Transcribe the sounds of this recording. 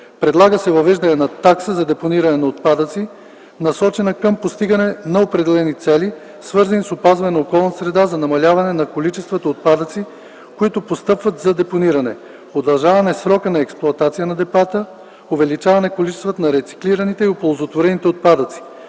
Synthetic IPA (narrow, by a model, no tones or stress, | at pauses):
pɾɛd̪lˠaɡəsɛvɐvɛʒd̪ɐnɛnɐt̪aksəzɐd̪ɛponiɾɐnɛnɐot̪̚pad̪ət̪si | nɐsɔt͡ʃɛnɐkəmpost̪iɡɐnɛnɐopɾɛd̪ɛlɛnit̪sɛli | svɤɾzɐnisopazvɐnɛnɐokɔlˠnɐsɾɛd̪azɐnɐmɐlʲavɐnɛnɐkolit͡ʃɛst̪vət̪ɐot̪̚pad̪ət̪si | koit̪ʊpost̪ɤpvət̪zɐd̪ɛponiɾɐnɛ | od̪ɐlˠʒavɐnɛsɾɔkənɐɛksplˠʊɐt̪at̪sijənɐd̪ɛbat̪ə | ovɛlit͡ʃavɐnɛkolit͡ʃɛst̪vət̪ɐnɐɾɛt̪si̥kliɾɐnit̪ɛiopolˠozot̪voɾɛnit̪ɛot̪̚pad̪ət̪si̥